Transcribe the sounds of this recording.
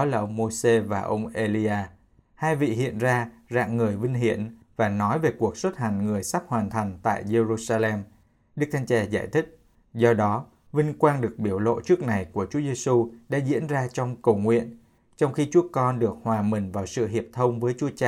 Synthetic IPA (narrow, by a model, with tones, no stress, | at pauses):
ɔ˨˦laː˨˩ʔə˧wŋ͡mmo˧se˧vaː˨˩ʔə˧wŋ͡mʔe˧li˧ʔaː˧ | haː˧jvḭ˧˨ɦḭ˧˨ənzaː˧za̰ː˧˨ŋːɨ˨˩əjvï˧ŋ̟ɦi˧˩ən | vaː˨˩nɔ˨˦jve˨˩ku˨˩ək̚swə˦˥t̚ha˨˩jŋ̟ŋɨ˨˩əjsa˦˥p̚hwaː˨˩nt̪ʰa˨˩jŋ̟t̪a̰ː˧˨jze˧zu˧saː˧lɛ˧m | ɗɨ˦˥k̚t̪ʰa˧ŋt͡ɕɛ˧˩za̰ː˧˩jt̪ʰï˦˥k̟̚ | zɔ˧ɗɔ˨˦ | vï˧ŋ̟kwaː˧nɗɨ˨˩ək̚ɓi˧˩əwlo̰˧˨t͡ɕɨ˦˥ək̚na˨˩jku˧˩ət͡ɕu˨˦əze˧su˧ɗa̰ː˧˥zḭ˧˥ənzaː˧t͡ɕɔ˧wŋ͡mkə˨˩wŋwḭ˧˨ən | t͡ɕɔ˧wŋ͡mxi˧t͡ɕu˨˦əkɔ˧nɗɨ˨˩ək̚hwaː˨˩mï˨˩ŋ̟vaː˨˩wsɨ̰˧˨ɦi˨˩əp̚t̪ʰə˧wŋ͡mvəː˨˦jt͡ɕu˨˦ət͡ɕaː˧˨